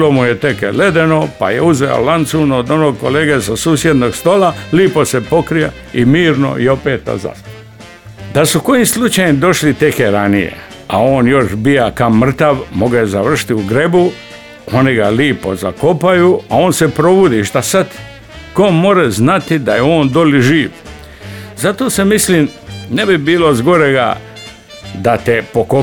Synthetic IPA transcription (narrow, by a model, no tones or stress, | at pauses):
lomujet̪e̞kḛle̞d̪e̞no̞pa̰jeuzḛo̰lant̪sunood̪o̞noɡko̞leːɡesasuːsje̞d̪noɡst̪oːlaliːpose̞po̞kɾija | imiːɾno̰io̞peːt̪̚ːa̰za̰s | d̪asuko̞jimslˠut͡ʃajimd̪o̞ʃlit̪e̞keɾanijḛ | a̰o̞ːnjo̞ʃbijakaomr̩t̪aʋmo̞ɡejezaʋr̩ʃi̥t̪iuɡɾe̞bu | o̞niɡaliːpo̞̰za̰ko̞pajuao̞ːnsepɾo̞bud̪iʃt̪asat̪ | komo̞ɾeznat̪id̪ajeo̞ːnd̪oliʒiːʋ | zat̪o̞ːse̞misliːmnebibiːlo̞zɡo̞ɾe̞ɡa̰ | d̪at̪epoko